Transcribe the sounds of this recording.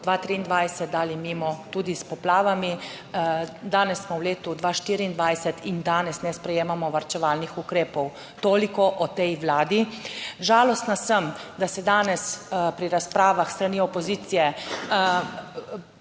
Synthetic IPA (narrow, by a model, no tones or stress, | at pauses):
d̪ʋaːt̪ɾiːnd̪ʋajsɛt̪̚d̪aːlimimɔt̪uːd̪ispɔplaːʋami | d̪aːnɛsːmɔwleːt̪ud̪ʋaːʃt̪iːɾiːnd̪ʋajsɛt̪ind̪aːnɛsnɛspɾɛjeːmamɔʋaɾt͡ʃɛʋaːlnixukɾeːpɔw | t̪oːlikɔʔɔt̪ɛjʋlaːd̪iʒaːlɔst̪nasəmd̪asɛd̪aːnɛspɾiɾaspɾaːʋaxst̪ɾaniːɔpɔziːt̪sijɛ